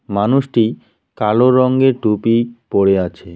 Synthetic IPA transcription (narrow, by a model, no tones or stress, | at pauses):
manuʃʈi | kaloɾɔŋɡeɾɖupipoɽeat͡ɕʰe